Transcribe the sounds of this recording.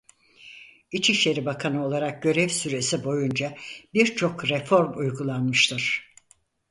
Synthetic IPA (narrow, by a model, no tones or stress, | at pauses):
it͡ʃʰiʃlʲe̞ɾibakʰanɯo̞lˠaɾak̚ɟø̞ɾɛvsyɾe̞sibo̞jund͡ʒabiɾt͡ʃʰo̞kɾɛfo̞ɾmujɡulˠanmɯʃt̪ʰɯɾ̥